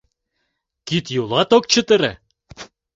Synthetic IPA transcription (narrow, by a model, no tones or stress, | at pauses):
kit̪julˠɑt̪ok̚t͡ɕə̆t̪ə̆ɾḛ̆